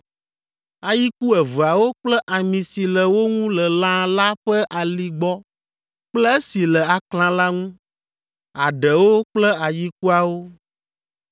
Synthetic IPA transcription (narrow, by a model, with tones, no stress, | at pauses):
a˨ji˦ku˦ɛ˨və˨a˨wo˦k͡plɛ˦ʔa˨mĩ˨si˨lɛ˨wo˦ŋũ˦lɛ˨lã˦la˦ɸɛ˦ʔa˨li˨ɡ͡bɔ˦ | k͡plɛ˦e˦si˨lɛ˨a˨klã˨la˦ŋũ˦ | a˨ɖɛ˨wo˦k͡plɛ˦a˨ji˦k̚u˦a˨wo˦